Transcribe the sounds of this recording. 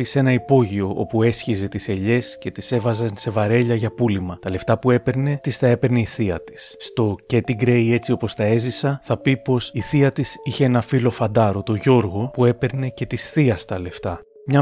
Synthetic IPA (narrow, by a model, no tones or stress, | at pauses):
ise̞nɐipo̞ʝio̞ʔo̞̰pue̞sçize̞t̪ise̞ʎe̞sce̞t̪ise̞vɐzɐnse̞vɐɾe̞ʎɐʝɐpulimɐt̪ɐle̞ft̪ɐpue̞pe̞ɾne̞t̪ist̪ɐe̞pe̞ɾneiθiɐt̪i̥sːt̪o̞cet̪iɡɾe̞je̞t͡sio̞po̞st̪ɐe̞zisɐθɐpipo̞siθiɐt̪isiçe̞enɐfilo̞fɐnd̪ɐɾo̞t̪o̞ʝo̞ɾɣo̞pue̞pe̞ɾne̞ce̞t̪isθiɐst̪ɐle̞ft̪ɐ | mɲɐ